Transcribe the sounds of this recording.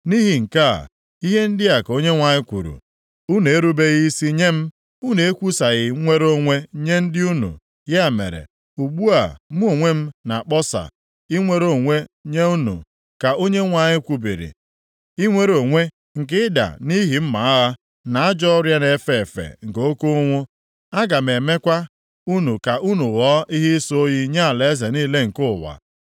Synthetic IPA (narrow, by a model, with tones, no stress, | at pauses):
ni˦ɦi˨ŋ̩˨ka̰˦˨ | i˦ɦe˦n̩˦dɪ˦a˨ko˦ɲe˦ŋʷa˨ɲɪ˦kʷṵ˨ɾṵ˨ | u˦ne˨e˦ɾu˦be˦ɣi˦i˦si˦ɲe˦m̩˦ | u˦ne˨e˦kʷu˦sa˨ɣɪ˨˦ŋʷe˦ɾo˦ŋʷe˦ɲe˦n̩˦dɪ˦u˦nṵ˨ | ja˦˨mḛ˨ɾḛ˨ | u˨ɡ͡bu˦a̰˨m˦o˨ŋʷe˦m̩˦na˨a˨k͡pɔ˦sa̰˨ | i˦ŋʷe˦ɾo˨ŋʷe˦ɲe˦u˦nṵ˨ | ka˨ʔo˦ɲe˦ŋʷa˨ɲɪ˦kʷu˨bḭ˨ɾḭ˨ | i˦ŋʷe˦ɾo˨ŋʷe˦ | ŋ̩˨kɪ˦da̰˨ni˦ɦi˨m̩˦ma˨˦a˦ɣa˦ | na˨a˦d͡ʒɔ˦ɾja˦ne˨fe˨e˨fḛ˨ŋ̩˨ko˦ko˦ŋʷʊ˦ | a˦ɡa˨m̩e˨me˦kʷa˦ | u˦nu˨ka˨ʔu˦nu˨ɣɔ˨˦ʔi˦ɦɪ˦so˦o˦ji˦ɲa˦a˨le˨e˦ze˨ni˦le˦ŋ̩˨kʊ˦˨wa̰˨